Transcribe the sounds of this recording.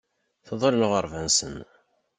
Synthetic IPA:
θðˤəlnoʁəɾˤvænsən

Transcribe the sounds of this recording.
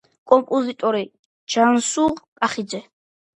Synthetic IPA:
kʼɔmpʼɔzit̪ʼɔɾi | d͡ʒansuʁkʼaχid̪zɛ

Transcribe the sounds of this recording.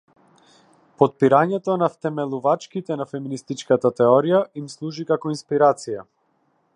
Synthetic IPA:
pɔt̪̚piɾaɲɛt̪ɔnaft̪ɛmɛlˠuvat͡ʃkit̪ɛnafɛminist̪it͡ʃkat̪at̪ɛɔɾijaimslˠuʒikakɔinspiɾat̪sija

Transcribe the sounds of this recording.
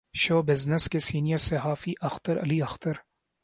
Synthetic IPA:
ʃoːbɪznəskesiːnijəɾseɦaːfiʔɐxt̪əɾɐ̰liɐxt̪əɾ

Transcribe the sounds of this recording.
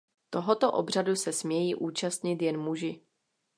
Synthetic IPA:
t̪o̞ɦot̪oʔobr̝adusɛsmɲɛjiːʔuːt͡ʃast̪ɲɪt̪jɛnmuʒɪ

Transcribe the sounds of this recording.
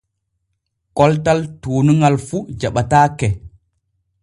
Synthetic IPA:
kɔltaltuːnuŋalfud͡ʒaɓataːkɛ

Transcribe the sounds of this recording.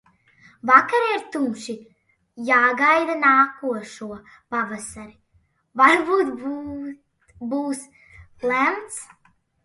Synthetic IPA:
vakaɾaiɾt̪umʃi | jaːɡajd̪anaːkuɔʃuɔ | pavasaɾi | vaɾbuːt̪b | buːs | læmt̪s

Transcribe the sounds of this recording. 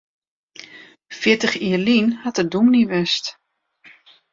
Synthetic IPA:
fjɪətəxiːərlinhatədumniʋɛst

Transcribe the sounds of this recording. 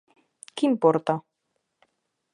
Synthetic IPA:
kimpoɾt̪a

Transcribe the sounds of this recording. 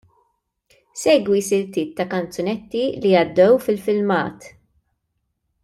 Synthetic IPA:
sɛːɡwisɪɾt̪iːt̪ːɐkɐnt͡sjɔnɛt̪ːiliɐd̪ːɛwfɪlfɪlmɐ̰ːt̪

